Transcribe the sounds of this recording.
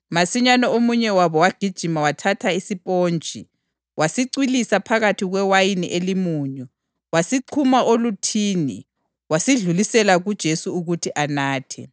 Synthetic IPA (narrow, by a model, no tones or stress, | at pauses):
masiɲanɔomuɲɛwaβɔwaɡ̥ʱid̥ʒ̥ʱimawatʰatʰaisipʼoːnd͡ʒʱḭ | wasiǀwilisapʰaɣatʰiɣwɛwajiniʔelimuːɲɔ | wasiǀʰumaʔolutʰiːnḭ | wasiɮulisɛlaɣud̥ʒ̥ʱesuuɣutʰiʔanaːtʰɛ